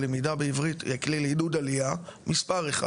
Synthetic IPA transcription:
lemidabeivʁitjaklilidud̪alijamispaʁeχa̰

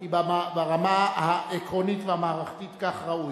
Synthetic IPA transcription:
ibamabaʁamahaʔekʁonitvehamaːʁaχt̪it̪kaχʁauj

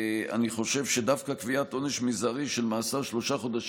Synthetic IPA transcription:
a̰niχo̞ʃe̞vʃed̪avkakviat̪ʔo̞ne̞ʃmizaʁiʃe̞lmaːsaʁʃlo̞ʃaχo̞d̪aʃ

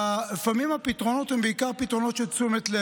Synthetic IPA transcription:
lefamimhapit̪ʁonot̪hɛmbeikaʁpit̪ʁonot̪ʃet͡sumet̪le

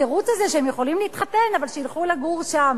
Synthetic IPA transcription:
eʁut͡sazeʃeemjeχo̞limlihit̪χat̪e̞navalʃejilχulaɡuʁʃam

